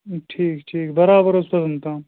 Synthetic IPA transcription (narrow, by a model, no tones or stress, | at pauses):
ʈʰiːkʈʰiːkbɐɾaːbəɾospɐzɐnt̪ãː